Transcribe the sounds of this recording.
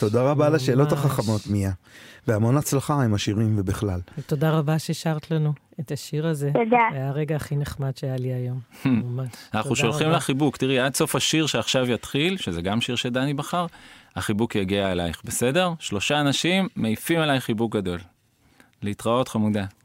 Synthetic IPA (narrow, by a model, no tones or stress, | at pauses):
todaʁabalaʃe̞ːlo̞taχaχamo̞t̪miaveamo̞nat͡slaχaemaʃiʁimvebiχlaltodaʁabaʃeʃaʁt̪lanu | et̪aʃiʁazeodaajaʁeɡaːχineχmadʃeajaliajo̞mmmaanauʃo̞lχimlaχibuktiʁiadso̞faʃiʁʃe̞aχʃavjat̪χilʃezeɡamʃiʁʃedanibaχaʁaχibukjaɡiaelajχbe̞se̞de̞ʁʃlo̞ʃaːnaʃimːeifimelajχibukɡado̞l | leitʁao̞tχamuda